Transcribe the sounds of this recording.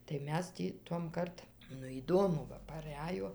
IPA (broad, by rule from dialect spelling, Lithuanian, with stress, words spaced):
tɐɪ ˈmʲɛs tʲiː ˈtuɔmˈkɐrt ˈnʊ iːˈdoːmʊ ˈʋɐ pɐˈrʲæjoː